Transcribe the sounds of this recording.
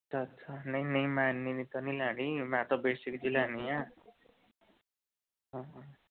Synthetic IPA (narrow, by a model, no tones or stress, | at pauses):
ʌt͡sʰʌsʰʌnʌjnʌjmanːinit̪ʌnilaɽimat̪ʌbesikd͡zilanijã | ɦʌ̃